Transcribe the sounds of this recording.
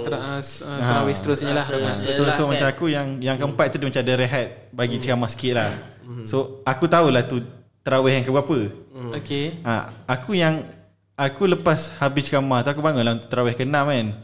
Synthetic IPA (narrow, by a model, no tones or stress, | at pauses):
aɾawɛhst̪əɾʊsɲəlaasosomat͡ʃamakujaŋjaŋkəəmpat̪̚t̪udimat͡ʃadəɾeɦat̪̚ | baɡit͡ʃəkamahsə̥kɪt̪̚lah | soakut̪aulaht̪ut̪əɾawɛhjaŋkəbuapəokea̰akujaŋ | akuləpashabɪst͡ʃə̥kamaht̪uakubaŋʊnlat̪əɾawɛhkənaʔman